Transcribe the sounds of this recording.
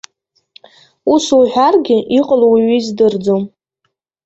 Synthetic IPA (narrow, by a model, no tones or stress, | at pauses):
usuħʷᶣarɡʲɪʔiqʼəlowiɥizdɨrd͡zom